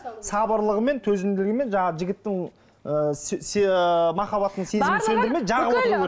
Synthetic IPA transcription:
sɑbəɾlˠəʁəme̞nt̪ʰɵzɪmd̪ɪlɪɡʲɪme̞nʒɑɴɑəʒɪɡʲɪt̪ːɪŋ | əsmɑχɑβɑt̪ːəɴse̞zɪmsend̪ɪɾme̞ʒɑʁəwot̪əɾe

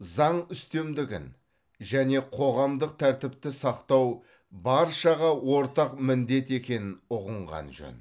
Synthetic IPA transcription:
zɑɴʏst̪e̞md̪ɪɡʲɪ̰n | ʒæne̞qʰo̞ʁɑmd̪əq̚t̪ʰæɾt̪ɪpt̪ɪsɑqt̪ɑw | bɑɾʃɑʁɑwo̞ɾt̪ɑqmɪnd̪e̞t̪e̞kʲe̞nɪnʊʁəɴʁɑ̰nʒɵ̰n

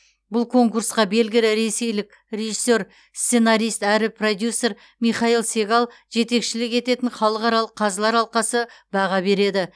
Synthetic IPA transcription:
bʊlˠkʰo̞ŋkuɾsqɑbe̞lɡʲɪlɪɾe̞se̞jlɪk̚ʲ | re̞ʒisːe̞ɾ | st̪se̞naɾʲijst̪æɾɪpro̞d̪jusːe̞ɾ | mijχɑilˠse̞ɡɑlˠ | ʒe̞t̪e̞kʃɪlɪke̞t̪e̞t̪ɪnχɑlˠəqɑɾɑlˠəqʰːɑzlˠɑɾɑlˠqɑsəbɑʁɑbe̞ɾe̞d̪ɪ

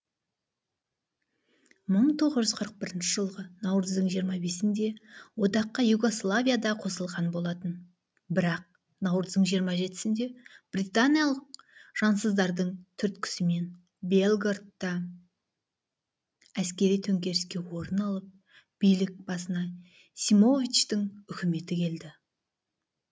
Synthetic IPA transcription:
məɴt̪ʰo̞ʁəzʒʏzqʰəɾəq̚bɪɾɪnʃɪʒəlˠʁənɑwɾəzd̪əɴʒijəɾmɑbe̞sɪnd̪e̞wo̞t̪ɑqːɑjuɡo̞slˠavʲijad̪ɑqʰo̞səlˠʁɑnbo̞lˠɑt̪ən | bɪɾɑq̚ | nɑwɾəzd̪əɴʒijəɾmɑʒe̞t̪ɪ̥sɪnd̪e̞b̥rit̪anijalˠəq̚ʒ̥ɑnsəzd̪ɑɾd̪əɴt̪ʰʏɾt̪kʲʰɪ̥sɪme̞n | belˠɡart̪ːɑ | æskʲe̞ɾijt̪ʰɵŋkʲe̞ɾɪskʲe̞wo̞ɾənɑlˠəp̚ | b̥ijlɪk̚bɑsənɑ | simo̞vʲit͡ʃt̪ɪŋʏkʲɪme̞t̪ɪkʲʰe̞ld̪ɪ

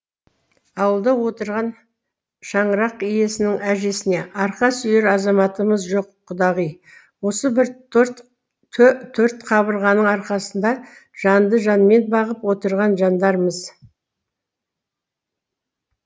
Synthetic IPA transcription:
ɑwəlˠd̪ɑwo̞t̪əɾʁɑn | ʃɑɴəɾɑqije̞sɪnɪŋæʒe̞sɪne̞ʔɑɾqɑsʏjeɾɑzɑmɑt̪əməzʒo̞qʰːʊd̪ɑʁij | wo̞səbɪɾɾt̪ʰ | ɵt̪ʰːɵɾt̪qʰɑβbəɾʁɑnəɴɑɾqɑsənd̪ɑʒ̥ɑnd̪əʒɑnme̞nbɑʁəpwo̞t̪əɾʁɑnʒɑnd̪ɑɾməz

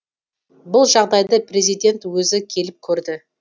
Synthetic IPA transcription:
bʊlˠʒɑʁd̪ɑjd̪əprʲe̞zijd̪ʲe̞nt̪wɵzɪkʲʰe̞lɪp̚kʲʰɵɾd̪ɪ

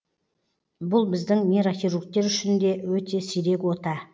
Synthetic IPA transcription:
bʊlˠbɪzd̪ɪŋmʲiɾofiɾukt̪ːe̞ɾʏʃɪnd̪e̞wɵt̪e̞sijɾe̞kwo̞t̪ɑ

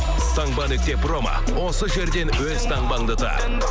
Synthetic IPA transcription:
t̪ʰɑŋbɑnɪk̚t̪e̞promɑ̰ | wo̞səʒe̞ɾd̪e̞nwɵzt̪ʰɑŋbɑŋd̪ət̪ʰɑ̰

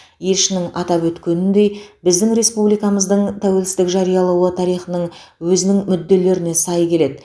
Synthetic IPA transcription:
je̞lʃɪnɪŋɑt̪ɑpwɵt̪kʲe̞nɪnd̪e̞jbɪzd̪ɪŋɾe̞spublijkɑməzd̪əɴt̪ʰæwe̞lsɪzt̪ɪkʒɑɾijɑlˠɑwət̪ʰɑɾijχənəɴwɵzɪnɪŋmʏd̪ːe̞le̞ɾɪne̞sɑjkʲʰe̞le̞d̪ɪ

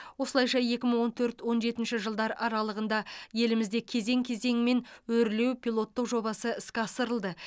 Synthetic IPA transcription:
wo̞səlˠɑjʃɑje̞kʲɪməɴwo̞nt̪ʰɵɾt̪wo̞nʒe̞t̪ɪnʃɪʒəlˠd̪ɑɾɑɾɑlˠəʁənd̪ɑje̞lɪmɪzd̪e̞kʲʰe̞ze̞ŋkʲʰe̞ze̞ŋme̞nwɵɾɪle̞wpʰʲilˠo̞t̪ːəqʒo̞bɑsəɪskʲɑsəɾəlˠd̪ə

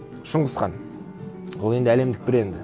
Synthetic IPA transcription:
ʃəɴʁəsqɑ̰n | wolˠe̞nd̪ɪæle̞md̪ɪk̚bɪɾe̞nd̪ɪ

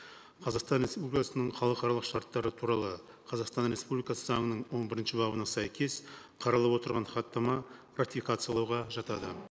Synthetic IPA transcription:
qʰɑzɑqst̪ɑnɾe̞spublikɑsənəɴχɑlˠəqɑɾɑlˠəqʃɑɾt̪ːɑɾət̪ʰuɾɑlˠə | qʰɑzɑqst̪ɑnɾe̞spublijkɑsəzɑɴənəɴwo̞nbɪɾɪnʃɪbɑbənɑsæjkʲʰe̞sqʰɑɾɑlˠɑpwo̞t̪əɾʁɑnχɑt̪ːɑmɑ | rakt̪ifʲikat̪sɨjɑlˠɑwʁɑʒɑt̪ɑd̪ə

